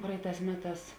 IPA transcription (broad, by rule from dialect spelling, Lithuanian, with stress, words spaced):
ˈprɐɪˌtɑːs ˈmʲæːˌtɑːs